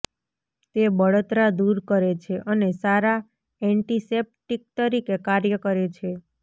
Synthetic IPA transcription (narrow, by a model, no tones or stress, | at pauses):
t̪ebəɭot̪ɾad̪uɾkəɾet͡ʃʰeʔənesaɾa | ɛɳʈisep̚ʈik̚t̪əɾikekaɾjəkəɾet͡ʃʰe